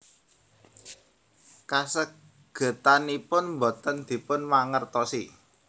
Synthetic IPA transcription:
kasək̚ | ɡ̥ə̤t̪anipʊnmbot̪ənd̪̥i̤pʊnmaŋərt̪ɔsi

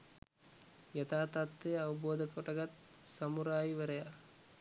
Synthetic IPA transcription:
jɐt̪aːt̪aːt̪ːejɐʋɐboːd̪ʱɐkoʈɐɡɐt̪ | sɐmuɾaːjiʋɐɾɐja

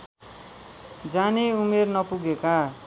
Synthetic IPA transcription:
d͡zaneumernʌpuɡeka

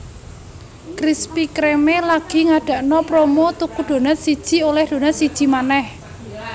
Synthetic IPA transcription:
kɾispikɾemelaɡ̥i̤ŋaɖ̥a̤ʔnɔpɾomot̪ukud̪̥o̤nasid̥ʒ̥i̤olɛhd̪̥o̤nasid̥ʒ̥i̤manɛh

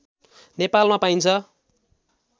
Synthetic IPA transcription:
nepalmapaint͡sʰʌ

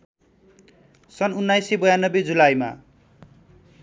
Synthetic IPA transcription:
sʌnunːajsebʌjanːʌbed͡zulajma̰

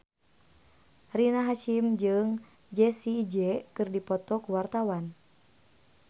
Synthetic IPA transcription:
rinaɦaʃimd͡ʒɨŋ | d͡ʒɛsiːd͡ʒɛkɨrdipɔt̪ɔkuwart̪awan

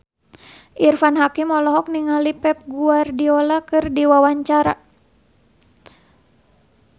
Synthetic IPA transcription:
ʔirfanɦakimɔlɔɦɔk̚niŋalipɛp̚ɡuardiɔlakɨrdiwawaɲt͡ʃaɾa

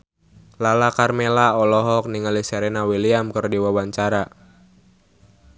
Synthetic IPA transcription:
lalakarmelaɔlɔɦɔk̚niŋalisɛɾɛnawiliamkərdiwawaɲt͡ʃaɾa

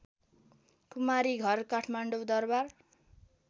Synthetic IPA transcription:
kumaɾiɡʱʌrkaʈʰmaɳɖowd̪ʌrbar

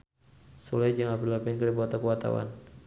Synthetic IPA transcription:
sulajd͡ʒəŋapilapɛnkədibuat̪akəwat̪a̰wa̰n

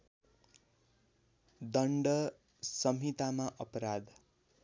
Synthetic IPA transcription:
d̪ʌɳɖʌ | sʌmit̪amaʔʌpʌɾad̪

